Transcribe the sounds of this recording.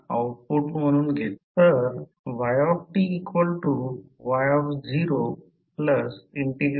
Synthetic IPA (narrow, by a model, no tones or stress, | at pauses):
awʈ̚puʈm̤əɽ̃uːnɡʱet̪ːəɾ | ʋajɔfʈiːkʋəlʈuʋajɔfd͡ʑiɾo | pləsiɳʈi